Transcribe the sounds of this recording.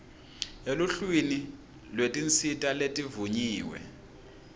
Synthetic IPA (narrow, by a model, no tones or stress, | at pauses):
eluɬwini | lwetʼint͡sʰʼitʼaletʼivuɲiːwɛ̰